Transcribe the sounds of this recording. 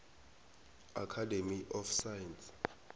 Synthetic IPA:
akʰademiʔɔfsajɛns

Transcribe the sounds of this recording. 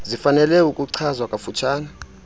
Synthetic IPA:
zifanɛlɛukʼuǀʰazwakʼafut͡ʃʰaːna

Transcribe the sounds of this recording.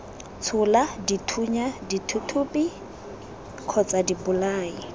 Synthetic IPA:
t͡sʰʊladitʰuɲaditʰutʰuːpʼi | kʰɔt͡sʼadibʊlaːi

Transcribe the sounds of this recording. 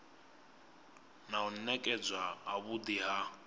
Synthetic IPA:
naun̩nɛkʼɛd͡zwaɦaβud̪iɦa

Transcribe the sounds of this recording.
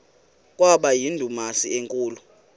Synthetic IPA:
kʼwaɓajindʱumasieŋkʼuːlu

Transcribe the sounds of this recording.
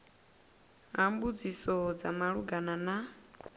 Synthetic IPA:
ɦambud͡zisɔd͡za̰maɺuɡanana

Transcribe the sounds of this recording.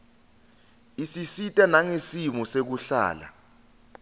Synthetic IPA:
isisitʼanaŋesimusek̬uɬa̰ːla̰

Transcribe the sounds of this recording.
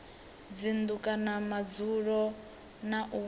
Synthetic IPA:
d͡zind̪ukʼanamad͡zuɺɔ | naʔu

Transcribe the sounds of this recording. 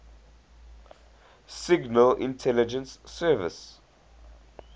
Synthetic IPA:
siɡnəlʔḭ̃ntʰɛlid͡ʒə̃nsːɛːvɪ̰s

